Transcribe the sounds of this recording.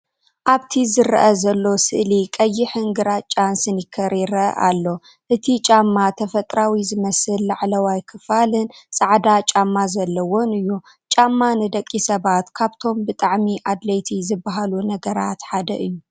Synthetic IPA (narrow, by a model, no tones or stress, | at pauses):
ʔaβt̪ʰizɨɾʔɐzɐlːo̞sɨʔlikʼɐjːɪħɨŋɡɨɾat͡ʃʼansɨnjɪkʰːɐɾiɾɐʔa̰lːo̞ | ʔɨt̪ʰit͡ʃʼamːat̪ʰɐfɐt̪ʼɾawizɨmɐsɨlːaʕlɐwajkʰɨfalɨnsʼaʕd̪at͡ʃʼamːazɐlːɐwo̞nɨjːu | t͡ʃʼamːanɨd̪ɐkʼːisɐβat̪kʰaβt̪ʰo̞mbɨt̪ʼaʕmiʔad̪lɐjt̪ʰizɨbːaɦalunɐɡɐɾat̪ħad̪ɐʔɨjːu